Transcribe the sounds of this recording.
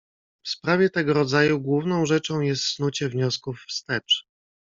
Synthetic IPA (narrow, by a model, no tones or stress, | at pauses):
fspɾavʲjɛt̪ɛɡɔɾɔd̪zajuɡwuvnɔ̃w̃ʐɛt͡ʂɔ̃w̃jɛst̪snut͡ɕɛvɲɔskufːst̪ɛt͡ʂ